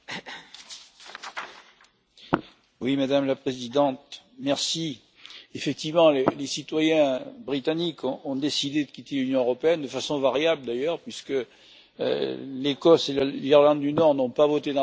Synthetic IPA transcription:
wimad̪amlapχezid̪ɑ̃t̪mɛʁsi | efɛk̚t̪ivmɑ̃lelesit̪wajɛ̃bʁit̪anikʰɔ̃ɔ̃d̪esid̪ed̪əkʲit̪elynjɔ̃øʁɔpeɛnd̪əfasɔ̃vaʁjabld̪ajœʁpɥiskə̰ | lekɔselaiʁlɑ̃d̪d̪ynɔʁnɔ̃pavɔt̪ed̪ɑ̃

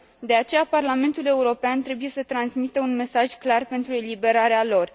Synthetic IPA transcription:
d̪e̞at͡ʃe̞japarlame̞nt̪ule̞uɾo̞peant̪ɾe̞buje̞sət̪ɾansmit̪əunme̞saʒklarpe̞nt̪ɾue̞libe̞ɾaɾealo̞r

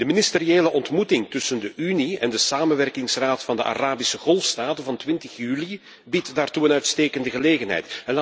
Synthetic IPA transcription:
d̥əminɪstəɾieːləʔɔntmutɪŋtʏsəndəʔyniɛ̰ndəsaːmənʋɛrkɪŋsraːtfɑndəʔa̰raːbisəɣɔlˠfstaːtəvɑntʋɪntəxjyːli | bitdaːrtuənœɥtsteːkəndəɣəleːɣənɦɛ̰jtɛnla

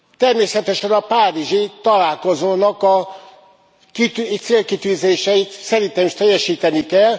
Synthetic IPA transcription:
t̪ɛrmeːsɛt̪ɛʃɛnɒpaːɾiʒit̪ɒlaːlko̞zoːnɒkɒ | kit̪t̪seːlkit̪yːzeːʃɛit̪sɛɾint̪ɛmiʃt̪ɛjːɛʃiːt̪ɛnikɛl

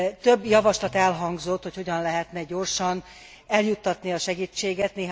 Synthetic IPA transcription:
t̪øbːjɒvɒʃlɒt̪ɛlɦɒŋɡzo̞t̪ːho̞cho̞ɟɒnlɛɦɛt̪nɛɟo̞rʃɒn | ɛljut̪ːɒt̪niɒʃɛɡiːt͡ʃːeːɡɛt̪neː

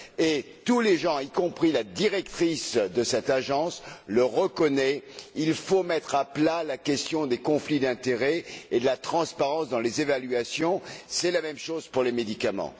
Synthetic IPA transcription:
e | t̪uleʒɑ̃ikɔ̃pχilad̪iʁɛk̚t̪χisd̪əsɛt̪aʒɑ̃sləʁəkɔnɛilfomɛt̪χaplalakʲɛst̪jɔ̃d̪ekɔ̃flid̪ɛ̃t̪eʁɛed̪əlat̪χɑ̃spaʁɑ̃sd̪ɑ̃lezevalɥasjɔ̃sɛlamɛmʃoz̥puʁlemed̪ikamɑ̰̃

